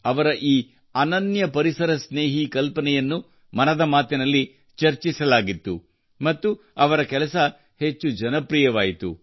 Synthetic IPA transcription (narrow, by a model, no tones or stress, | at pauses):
ɐʋɐɾɐʔiː | ɐnɐnjɐpɐɾisɐɾɐsne̞ːɦikɐlpɐnɛjɐnːu | mɐnɐd̪ɐmaːt̪inɐlːi | t͡ʃɐɾt͡ʃisɐlaːɡit̪ːu | mɐt̪ːu | ɐʋɐɾɐkɛlɐsɐ | het͡ʃːud͡ʒɐnɐpɾijɐʋaːjit̪ṵ